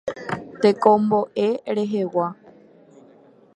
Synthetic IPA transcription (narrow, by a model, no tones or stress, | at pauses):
t̪e̞kõmbo̞ʔeɾe̞ɦewa